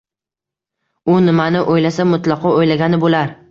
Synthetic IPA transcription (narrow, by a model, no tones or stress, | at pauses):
ʊnɪmanɪʔojlasamʊt̪lˠɒqʰɒojlaɡʲanɪbolaɾ